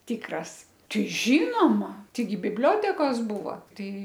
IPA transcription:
ˈtʲɪkrɐs ˈtɐɪ ˈʒʲiːnoːmɐ ˈtɐɪɡʲɪ bʲɪbʲˈlʲoːtʲɛkoːs ˈbuːʋɐ ˈtɐɪ

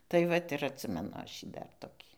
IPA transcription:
tɐɪ ˈʋɐt ɪr ɐtʲˈsʲɪmʲɛnʊ ˈɐʃ ˈjiː ˈdɐr toːˈkʲiː

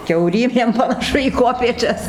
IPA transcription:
kʲɛʊˈrʲiːmʲeːm pɐnɐˈʃʊ iː ˈkuɔpʲeːt͡ʃʲɛs

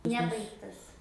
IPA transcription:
ˈnʲæːbɐɪktɐs

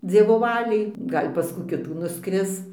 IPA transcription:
ˈd͡zʲiɛʋoː ˈʋɑːlʲɛɪ ˈɡɐlʲ pɐs ˈkuː ˈkʲɪtuː nʊˈskrʲɪs

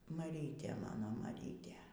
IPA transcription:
mɐˈrʲiːtʲeː ˈmɑːnoː mɐˈrʲiːtʲeː

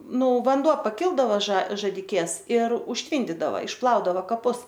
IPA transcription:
ˈnʊ ʋɐnˈduɔ pɐˈkʲɪlˠdɐʋoː ʒɐ ʒɐdʲɪˈkʲeːs ɪr ʊʃʲˈtʲʋʲiːnʲdʲɪdɐʋɐ ɪʃˈplˠɐʊdɐʋɐ kɐˈpʊs

